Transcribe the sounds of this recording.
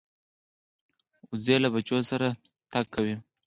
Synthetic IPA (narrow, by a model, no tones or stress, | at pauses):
ʊzelabat͡ʃosaɾa | t̪akʰːawi